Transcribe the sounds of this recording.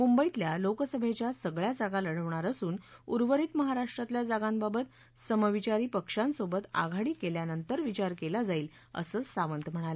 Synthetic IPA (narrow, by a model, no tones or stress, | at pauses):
mumbəit̪ljalokəsəbʱet͡ɕjasəɡɭjad͡zaɡãləɽ̤əʋɳaɾəsuːnuɾʋəɾiːt̪məɦaɾaʂʈɾat̪ljad͡zaɡãmbabət̪̚ | səməʋit͡ɕaɾiːpəkʂãnsobət̪a̰ɡʱaɽiːkeljanənt̪əɾʋit͡ɕaɾkelad͡zaiːl | ə̰səːsaʋənt̪m̤əɽ̃alə